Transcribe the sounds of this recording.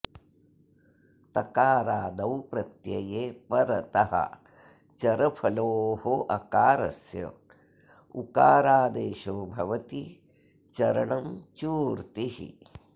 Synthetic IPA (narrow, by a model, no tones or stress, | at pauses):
t̪ɐkaːɾaːd̪ɐwpɾɐt̪jɐjeːpɐɾɐt̪ɐɦɐ̰ | t͡ʃɐɾɐpʰɐloːhoʔɐkaːɾɐ̰sjɐ̰ | ukaːɾaːd̪eːʃoːbʱɐʋɐt̪i | t͡ʃɐɾɐɳɐmt͡ʃuːɾt̪ihḭ